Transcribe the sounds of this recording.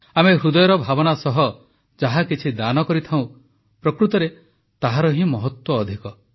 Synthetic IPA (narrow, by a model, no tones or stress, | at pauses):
ameɦɾud̪ɔjɔɾɔbʱabɔnasɔɦɔ | d͡ʒaɦakit͡ʃʰid̪anɔkɔɾit̪ʰaw̃ | pɾɔkɾut̪ɔɾe | t̪aɦaɾɔɦĩmɔɦɔt̪wɔːd̪ʱikɔ